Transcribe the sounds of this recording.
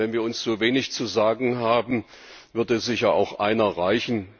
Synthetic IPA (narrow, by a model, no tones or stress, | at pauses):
ɛnviːɐʊnsz̥oːveːnɪçt͡suzaːɡŋ̩ɦaːbm̩ | vʏɐdəzɪçaa̰ʊxʔaɪnɐʁaɪçn̩